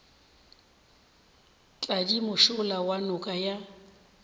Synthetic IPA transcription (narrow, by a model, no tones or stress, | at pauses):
t͡ɬʼadimʊʃʊlawanʊkʼaja